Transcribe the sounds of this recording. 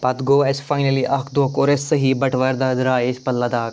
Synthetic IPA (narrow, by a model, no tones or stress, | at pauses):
pɐt̪ɡoːesfaːjnɐliʔɐkd̪oːkoɾesːɐɦibɐʈʰʋɐɾd̪aːd̪ɾaːespɐlːɐd̪aːk̚